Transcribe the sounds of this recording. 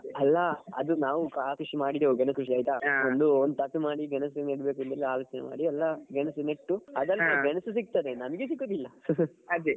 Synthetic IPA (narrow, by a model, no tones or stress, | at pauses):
ɐlːɐɐ̰d̪unaːʋukaːkɾuʂimaːɽid̪euɡɐnɐskuʂ̬iaːjt̪aond̪uond̪ut̪ɐkːimaːɽiɡɐnɐs̬neɽbe̞ːkunt̪ɐlːiaːloːt͡ʃɐnḛma̰ːɽiɐlːɐɡɛnɐsuneʈːuɐd̪ɐlːɡɐnɐsusik̚t̪ɐd̪enɐmɐɡes̬ikːoːd̪ilːɐɐd̪i